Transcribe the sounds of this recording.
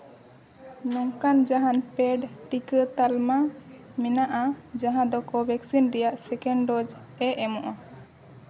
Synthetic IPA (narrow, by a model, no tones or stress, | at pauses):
nɔŋkand͡ʒaɦanpɛɖʈikət̪alma | mɛnaʔad͡ʒaɦãd̪ɔkɔbɛksinɾɛjaʔsɛkɛɳɖɔd͡ʒ | ɛʔɛmɔʔa